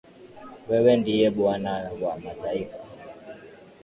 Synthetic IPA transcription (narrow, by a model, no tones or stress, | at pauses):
wɛwɛndijɛɓwanawwamataifa